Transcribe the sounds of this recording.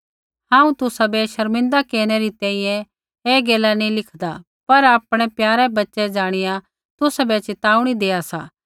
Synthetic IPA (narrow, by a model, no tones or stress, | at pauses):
hãːũt̪ʊsabɛʃɐɾmɪ̃nd̪akeːɽ̃eɾit̪ɛ̃ːĩjɛ̃ | eːɡeːlanĩlɪkʰd̪a | pɐɾaːpɽ̃ɛpjaːɾɛbɐtːʃɛd͡ʒaːɽ̃ɪjã | t̪ʊsabɛt͡ʃɪt̪aːuɽ̃id̪eːasa̰ː